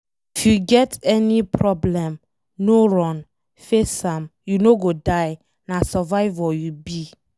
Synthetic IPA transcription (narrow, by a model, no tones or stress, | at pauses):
ifjuɡɛtɛnipʰɹɔblɛ̃m | noɹɔ̃n | fesãmjunoɡodaɪ | nasɛvaɪvɔjubi